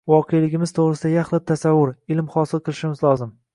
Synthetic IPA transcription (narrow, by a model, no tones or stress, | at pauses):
vɒqʰejlɪɡʲɪmɪz̥t̪ʰoʁɾɪsɪd̪ajaχlɪt̪ʰːasavːʊɾɪlmhɒsɪlˠqʰɨlˠɪʃɪmɪzlˠɒzɪm